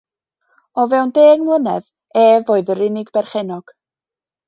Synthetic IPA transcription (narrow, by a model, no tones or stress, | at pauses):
ɔvɛwndeːɡmlˠənɛð | ɛːvoːɨðəɾɪnɪɡbɛrχɛnɔɡ̥